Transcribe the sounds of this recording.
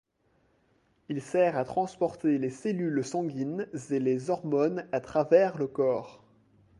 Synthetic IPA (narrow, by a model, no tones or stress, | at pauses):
ilsɛʁat̪χɑ̃spɔʁt̪eleselylsɑ̃ɡʲinzelezɔʁmɔnat̪χavɛʁləkɔːʁ